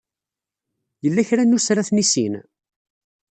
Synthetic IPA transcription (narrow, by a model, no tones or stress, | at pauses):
jəlːæçɾænusɾaθnisin